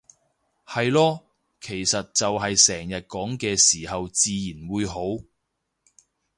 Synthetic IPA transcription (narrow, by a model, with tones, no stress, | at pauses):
hɐ˨jlɔː˥ | kʰe˨˩jsɐ˨t̚t͡sɐ˨wɦɐ˨jsɛː˨˩ŋjɐ˨t̚kɔː˨˥ŋkɛː˧siː˨˩hɐ˨wt͡siː˨jiː˨˩nwuː˨˧jɦo˨˥w